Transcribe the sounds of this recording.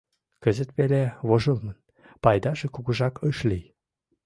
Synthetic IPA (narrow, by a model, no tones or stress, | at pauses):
kə̆zə̆t̪βeleβoʒə̆lmən | pɑjd̪ɑʒĕkuɣə̆ʒɑkɤʃlʲij